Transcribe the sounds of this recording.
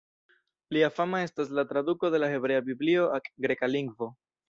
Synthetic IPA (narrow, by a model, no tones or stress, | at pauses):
liafamae̞stas̬lat̪ɾad̪uko̞de̞laxe̞bɾe̞abiblio̞akɡɾe̞kaliŋɡvo̞